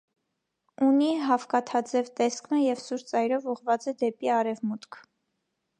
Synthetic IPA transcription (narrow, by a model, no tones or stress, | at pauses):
uniɦɑfkɑt̪ʰɑd͡zɛvt̪ɛsknəjɛvsuɾt͡sɑjɾɔvɔʁvɑt͡sɛd̪ɛpiɑɾɛvmut̪kʰ